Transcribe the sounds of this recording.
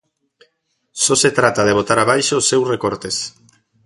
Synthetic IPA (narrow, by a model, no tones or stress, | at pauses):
sɔset̪ɾat̪að̞eβ̞ot̪aɾaβ̞ajʃoːsːewsrekoɾt̪es